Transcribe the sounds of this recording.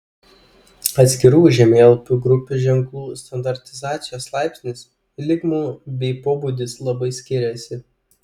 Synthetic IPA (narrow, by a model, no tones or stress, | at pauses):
ɐt̪sʲkʲɪɾuːʒʲɛmʲeːlˠpʲuɡɾʊpʲuʒʲɛŋklˠuːst̪ɐnd̪ɐɾʲt̪ʲɪzɑːt̪sʲɪjoːslˠɑɪpʲsʲnʲɪs | lʲɪɡmuːbʲɛɪpoːbuːd̪ʲɪslˠɐbɐɪsʲkʲɪɾʲɛsʲɪ